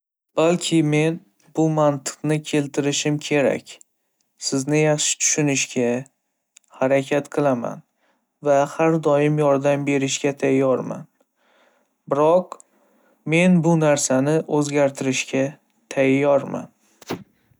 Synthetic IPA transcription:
b̥alkʲʰɪme̞n | b̥ʊmant̪ʰɨ̥qnɪkʲʰe̞lt̪ʰɪɾɪʃɪmkʲʰe̞ɾa̰kʲ | sɪznɪjɑχʃɪ̥t̪ʰʊ̥ʃʊnɪʃɡʲa | haɾakʲʰat̪qʰɨlˠama̰n | vahaɾd̪ɒjɪmjɒɾd̪ambe̞ɾɪʃɡʲat̪ʰajːɒɾma̰n | bɪɾɒq | me̞nbʊnaɾsanɪʔɵzɡʲaɾt̪ʰɪɾɪʃɡʲa | t̪ʰajɒɾma̰n

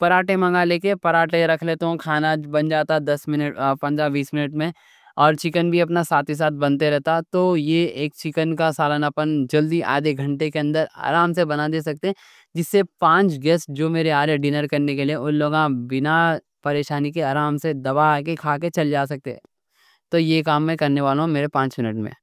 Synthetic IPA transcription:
pɐɾaːʈemɐ̃ŋɡaleːkepɐɾaːʈeɾɐkʰlet̪oõkʰaːnabɐ̃nd͡ʒaːt̪ad̪ɐsmɪnəpɐ̃nd̪ɾaʋiːsmɪnəʈmẽ | ɔːɾt͡ʃɪkənbʱiɐpnasaːt̪is̬aːt̪̚bɐ̃nt̪eɾɛɦt̪at̪ojeeːk̚t͡ʃɪkənkasaːlənapənd͡ʒɐld̪iʔa̰ːd̪eɡʱɐ̃ɳʈekeɐ̃nd̪əɾa̰ːɾaːmsebɐnad̪eːs̬ɐk̚t̪eɦɛ̃ | d͡ʒɪsːepãːt͡ʃɡɛːsd͡ʒoːmeːɾeaːɾeɖɪnəɾkɐɾnekelieʊ̃nloːɡãbɪna | pɐɾeːʃaːnikeaːɾaːmsed̪ɐbakekʰaːket͡ʃɐld͡ʒaːsɐk̚t̪e | t̪ojekaːmːɛ̃kɐɾneʋaːlõɦũmeːɾepãːt͡ʃmɪnəʈmḛ̃

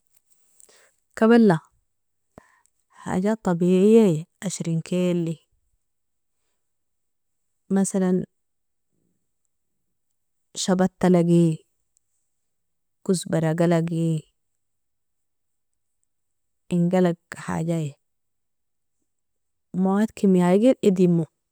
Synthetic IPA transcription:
kabalːa | ħa̰ːɟat̪ˤːɑbiːʕijːajeʔaʃɾinkʰeːlːi | masalan | ʃabat̪ːalaɡi | kusbaɾaɡalaɡi | iŋɡalaɡħa̰ːɟaje | maat̪kʰimiajɡiɾʔid̪imu

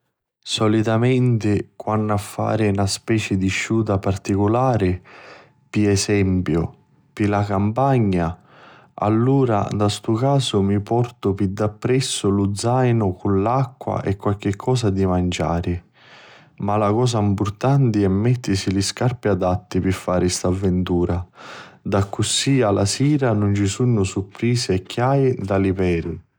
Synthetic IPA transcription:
sɔlit̪amɛnt̪ɪkwanːafːa̰ːɾɪnaspɛːt͡ʃɪd̪iʃːuːt̪̬apart̪ikʊlaːɾɪ | piɛsɛmpjʊ | pilakampaɲːa | a̰lːuːɾa̰d̪ast̪ukaːsʊmipɔrt̪ʊpid̪ːapːɾɛsːʊlud̪zːajnʊkunlakːwa̰ʔɛkːwalk̟ɪkʰːɔːsad̪imand͡ʒa̰ːɾɪ | malakɔːs̬aimpʊrt̪ant̪iɛmːɛt̪ːisiliskarpiad̪at̪ːipɪfːaːɾɪst̪avːɛnt̪uːɾad̪akːusːialasiːɾanʊnt͡ʃisunːʊsupɾiːsɪɛkʰːjaːjid̪alipɛɾi

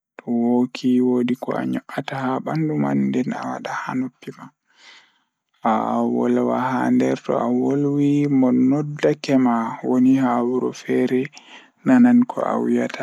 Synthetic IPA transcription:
tɔwokʰiwodikɔ̰a̰ɲɔʔatahaɓandumandɛna̰wa̰ɗahanopːima | ʔawɔlwahandɛɾtɔ̰awolwimɔnɔdːakɛmawonihawuɾɔ̰fɛɾɛ | nanankʰɔ̰ʔa̰wijatʰa

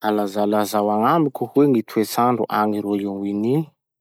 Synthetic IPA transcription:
alazalazawaŋamikʲuhuweŋit̪ʰuet͡saɳɖ͡ʐṵʔaŋiɾoiŋini̥

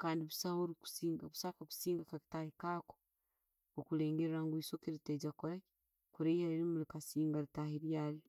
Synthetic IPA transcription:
kaːndiβusahoɾiku̥siːŋɡaβu̥sakaku̥siːŋɡakaki̥tahikaːko̥ | okuɾe̞ːŋɡeɾeɾaŋɡwisokeɾiteɟakoɾa | kuɾejaɾiɾimulikasiːŋɡaɾitahiɾjaːli

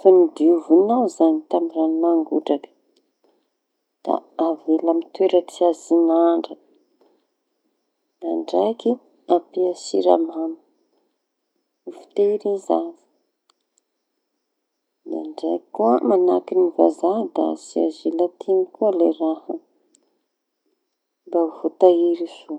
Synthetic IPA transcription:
famid̪iuvunawzanit̪ambiɾanimaŋɡuɖ͡ʐakə̥ | d̪̥a̰avelamit̪weɾət͡siazinaɳɖ͡ʐə | naɳɖ͡ʐaki | apiasḭɾa̰manə̥ | ifi̥t̪eɾizavi̥ | d̪aɳɖ͡ʐajkuəmanakiniva̰zad̪a̰sia̰zelat̪ʰinikuəlerahə | bauvot̪aiɾisu

